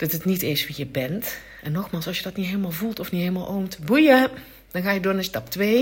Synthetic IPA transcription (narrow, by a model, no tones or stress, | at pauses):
d̥ɑtətnitɪsʋijəbɛnt | ʔɛnːɔxmaːlˠsɑsjədɔtnitɦeːləmaːlˠvulˠtɔfnitɦeːlˠmalˠʔoːmtəbujə | d̥ɔnxaːjədʊːnəstɑptʋeː